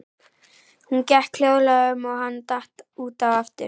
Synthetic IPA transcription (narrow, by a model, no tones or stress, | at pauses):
huncɛhkʰl̥joːwlaʏmɔɣhanːt̪aht̪uːt̪awaft̪ʏ̰ɾ